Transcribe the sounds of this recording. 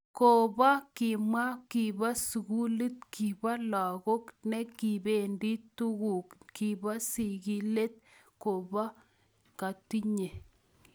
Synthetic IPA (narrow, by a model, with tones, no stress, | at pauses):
ko˨ba˦ki˨mwa˦ki˨ba˦su˨ɣu˦lɨ˦tkʰi˨ba˦la˨ɣo˦knɛ˦ki˨be˨ndi˦tu˦ɣu˨kki˨ba˦si˨ɡi˦le˦t̚ | ko˨ba˦ | ka˨ti˦ɲe˨